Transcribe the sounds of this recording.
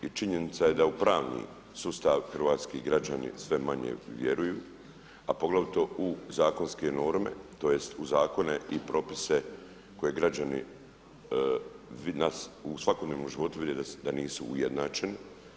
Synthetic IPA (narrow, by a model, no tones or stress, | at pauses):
it͡ʃiɲe̞nit̪saje̞d̪aupɾaːʋnḭː | suːst̪aʋxr̩ʋaːt̪skiɡɾad͡ʑanḭsʋe̞maɲḛʋje̞ɾujuː | apo̞ɡlaʋut̪o̞uzaːko̞nske̞no̞ːɾme̞̰t̪o̞je̞st̪uzaːko̞ne̞ʔipɾo̞ːpise̞ | ko̞je̞ɡɾad͡ʑanḭ | ʋinasusʋako̞d̪neːmnomʒiʋo̞t̪uʋid̪ed̪ad̪aniːsuːjed̪naːt͡ʃe̞ni